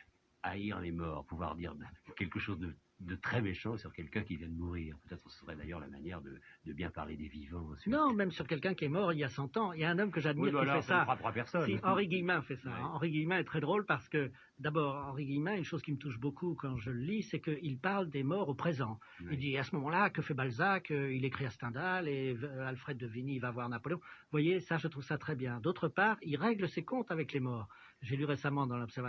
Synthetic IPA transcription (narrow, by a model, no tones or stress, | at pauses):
aiɑ̰̃nɛmɔʁpuvwa̰ʁd̪ḭʁkʲɛlkəʃozd̪ə | d̪ət̪χɛmeʃɑ̃syʁkʲɛlkʲɛ̃kʲivjɛ̃d̪əmuʁiːʁpøt̪ɛt̪χəsəsəʁɛd̪a̰jœʁla̰ma̰njɛʁd̪ə̰d̪əbjɛ̰̃pa̰ʁled̪evivɑ̃synɔ̃mɛmsyʁkʲɛlkʲɛ̃kʲiɛmɔʁiljasɑ̃t̪ɑ̃iljaɛ̃nɔmkəʒad̪miʁkifɛsawat̪χwapɛʁsɔniɑ̃ʁiɡijmɛ̃fɛsaɑ̃ʁiɡijmɛ̃ɛt̪χɛd̪ʁolpaʁsə̥kə | d̪abɔːʁɑ̃ʁiɡijmɛ̃ynʃozkʲimət̪uʃbokukɑ̃ʒələlisɛkəilpaʁld̪emɔʁopχezɑ̃ | ild̪iasəmɔmɑ̃lakəfɛbalzakəilekχiast̪ɑ̃d̪alealfχɛd̪ːəvinivavwaʁnapɔleɔ̃vwajesaʒət̪χuv̥sat̪χɛbjɛ̃d̪ot̪χəpaːʁilʁɛɡləsekɔ̃t̪avɛklemɔːʁ | ʒelyʁesamɑ̃d̪ɑ̃lɔpsɛʁv